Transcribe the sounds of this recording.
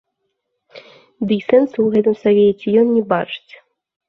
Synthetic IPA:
d̪ɨjsɛnsɨwɣɛt̪ɨmsavʲet͡sʲɛjɔnːʲɛbat͡ʂɨ̥t͡sʲ

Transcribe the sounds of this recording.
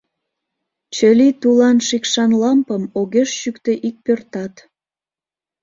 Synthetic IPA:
t͡ɕə̆lit̪ulɑnʃikʃɑnlɑmpəmoɣeʃʃykt̪eʔik̚pørt̪ɑt̪

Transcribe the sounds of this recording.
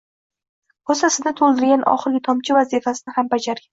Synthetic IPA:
hɒsasɪd̪at̪ʰolˠd̪ɪɾɡʲanʔɒ̰χɨɾɡʲɪt̪ʰɒmt͡ʃʰɪvazifasɪnɪhambad͡ʒaɾɡʲan

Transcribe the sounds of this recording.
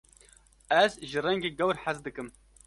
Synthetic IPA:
æzʒɨrɛŋɡeːɡɛwɾħazd̪ɨkɨm

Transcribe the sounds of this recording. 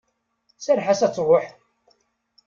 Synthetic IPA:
səɾħasæt͡sːɾˤoħ

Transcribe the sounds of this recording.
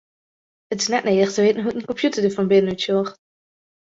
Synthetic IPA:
ətɪ̥snɛtneːdəχtəʋeːtənɦuənkɔmpjutəɹdəvɑmbɪdənytsɔːχt

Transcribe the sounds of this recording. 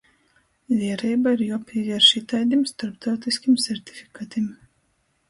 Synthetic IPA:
vʲiɛɾɛjbaiɾjuɔpʰʲiɛvʲiɛɾʃit̪ajd̪ʲimst̪aɾpt̪awt̪iskʲimsʲɛɾt̪ʲi̥fʲi̥kaːt̪im

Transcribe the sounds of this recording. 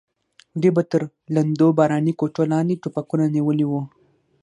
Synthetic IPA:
d̪ebat̪əɾ | land̪obɑɾɑnikot͡ʃolɑnd̪eʈupakunaniwəliwu

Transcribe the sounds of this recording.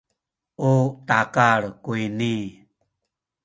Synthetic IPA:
utakaɭkuini

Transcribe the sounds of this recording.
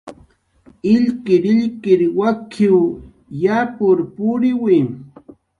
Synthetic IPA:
ɪʎkɪɾɪʎkɪɾwakʰɪw | japʊɾpʊɾɪwɪm

